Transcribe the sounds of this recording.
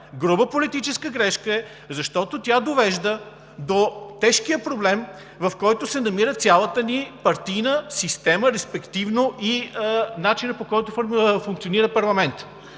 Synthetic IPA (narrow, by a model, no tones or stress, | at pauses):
ɡɾubəpolit̪it͡ʃɛskəɡɾɛʃkəɛ | zɐʃt̪ɔt̪ot̪ʲjad̪ovɛʒd̪ə | d̪ot̪ɛʃkijəpɾoblɛm | vɐfkɔjt̪ʊsɛnɐmiɾət̪sʲalˠət̪ənipɐɾt̪ijnəsist̪ɛməɾɛspɛkt̪ivnoʔinat͡ʃinəpokɔjt̪ʊffuŋkt̪sioniɾəpɐɾlˠɐmɛnt̪